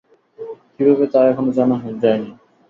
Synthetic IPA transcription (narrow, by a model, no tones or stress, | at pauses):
kibʱaβet̪aɛkʰonod͡ʑanaɦod͡ʑaeni